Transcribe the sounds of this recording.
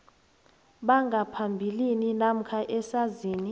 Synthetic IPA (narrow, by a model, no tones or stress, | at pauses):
ɓaŋɡʱapʰambʱilininam̩kʰaʔɛsaziːni